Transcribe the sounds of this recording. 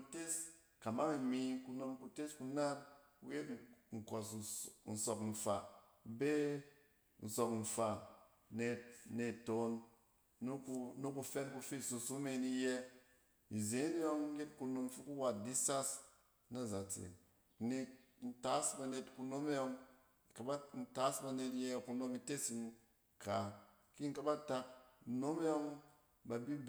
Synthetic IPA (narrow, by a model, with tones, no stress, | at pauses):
u˨te˦s | ka˨ma˦ŋi˨mi˨ku˧no˦mku˧te˦sku˦na˦n | ṵ˦je˦tŋ̩˨ko˨s̬n̩˨so˨kɱ̩˨fa˨ | be˦ | n̩˨so˨kɱ̩˨fa˨ | ne˨ne˨to˨˦n | nu˦nu˦ku˧fe˦nku˧fe˦˨so˧su˦me˧ni˦je˦ | i˨ze˨˦n˦jo˦ŋ̩˦ke˦t̚ku˧no˧m˦fi˦ku˦wa˨t̚di˦sa˦s | na˦˨za˨t͡sḛ˨˦ | ni˧n̩˨ta˨˦sba˨ne˨tku˧no˦me˦jo˧ŋ˨ | ka˨ba˦n̩˨˦ta˦sba˨ne˧tje˦˨ku˧no˧mi˧te˦si˦m | ka˨ | ki˦ŋ̩˦ka˦ba˦ta˦k̚no˦me˦jo˦ŋ | ba˨bi˦b